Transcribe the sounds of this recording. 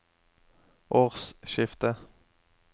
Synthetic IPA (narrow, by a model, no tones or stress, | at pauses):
ʔoːʁsʃɪft̪ə